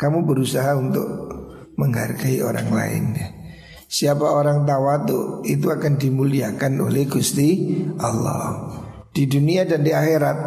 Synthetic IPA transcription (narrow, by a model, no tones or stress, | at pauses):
kamubəɾusaɦaunt̪ʊk̚ | məŋɦa̰rɡaio̰ɾa̰ŋla̰ɪ̰nja | siapaoɾaŋt̪̬awat̪ʊit̪̬uakandimuliakano̰lɛhɡ̥ust̪iʔalːɔ̰h | d̥iduniadandiaxeɾat̪̚